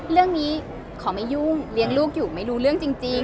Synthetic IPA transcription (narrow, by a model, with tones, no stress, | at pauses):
ɾɯ˥˩əŋniː˦˥ | kʰɔː˩˦ma˥˩ju˥˩ŋli˧əŋluː˥˩k̚juː˨˩ma˥˩jɾuː˧˥ɾɯ˥˩əŋt͡ɕi˧ŋt͡ɕi˧